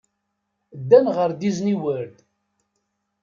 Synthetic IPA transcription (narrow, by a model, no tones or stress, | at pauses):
d̪ːænʁəɾd̪izniwəɾd̪